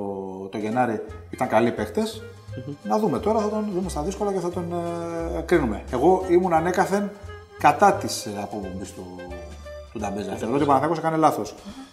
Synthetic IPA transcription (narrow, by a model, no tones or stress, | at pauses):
t̪o̞ʝe̞nɐɾiit̪ɐŋkɐlipe̞kt̪e̞s | nɐðume̞t̪o̞ɾɐθɐt̪o̞nðumest̪ɐðisko̞lɐceθɐt̪o̞n | kɾinume̞eɣo̞imunɐne̞kɐθe̞n | kɐt̪ɐt̪isɐpo̞pombist̪u | t̪ud̪ɐmbezɐfθeoɾot̪ipoɐnɐθekosekɐnelɐθo̞s